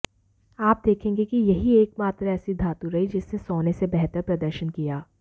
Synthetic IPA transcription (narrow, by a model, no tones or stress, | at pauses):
aːp̚d̪eːkʰẽːŋɡekijɐɦieːkmaːt̪ɾaɛːsid̪ʱaːt̪uɾɐid͡ʒɪsnesɔːnesebɛɦt̪əɾpɾɐd̪əɾʃənkijaː